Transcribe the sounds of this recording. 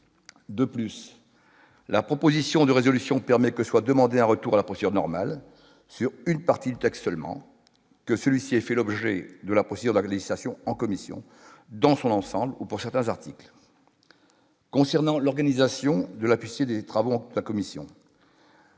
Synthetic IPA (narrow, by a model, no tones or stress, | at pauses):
d̪əplys | lapχɔpozisjɔ̃d̪əʁezɔlysjɔ̃pɛʁmɛkəswad̪əmɑ̃d̪eɛ̃ʁət̪uʁalapχɔsed̪yʁnɔʁmal | syʁynpaʁt̪id̪yt̪ɛkst̪səlmɑ̰̃ | kəsəlɥisiɛfɛlɔbʒɛd̪əlapχɔsed̪yʁd̪əleʒislasjɔ̃ɑ̃kɔmisjɔ̰̃ | d̪ɑ̃sɔ̃nɑ̃sɑ̃blupuʁsɛʁt̪ɛ̃zaʁt̪ikl | kɔ̃sɛʁnɑ̃lɔʁɡanizasjɔ̃d̪əlapɥit̪ed̪et̪χavoɑ̃d̪əakɔmisjɔ̰̃